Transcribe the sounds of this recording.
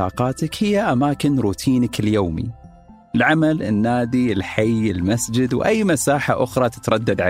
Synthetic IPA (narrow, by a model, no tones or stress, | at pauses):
ɑ̰ːqɑːt̪akhɪjːaʔamaːkɪnɾuːt̪ʰiːnakɪljoːmḭ | ɪlʕamalɪnːaːd̪iɪlħajɪlmasd͡ʒɪd̪wʔajːmasaːħaʔʊxɾˤɑt̪ɪ̥t̪ɾˤɑd̪ːad̪ʕa